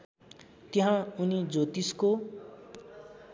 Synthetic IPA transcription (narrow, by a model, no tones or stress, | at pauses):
t̪jʌɦãunid͡zot̪isko